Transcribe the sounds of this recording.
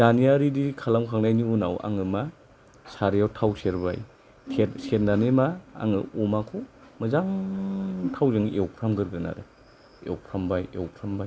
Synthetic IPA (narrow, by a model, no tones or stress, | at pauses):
danijaɾidikʰalamkʰaŋnajniunawa̰ŋɯma | saɾijawtʰawseɾba̰j | tʰetset̚nanemaa̰ŋɯɔmakʰɔ | mɯzaŋ | tʰawzeŋewpʰɾamɡɯɾɡɯna̰ɾɯ̰ | eɔ̰wpʰɾambaj̰wpʰɾambaj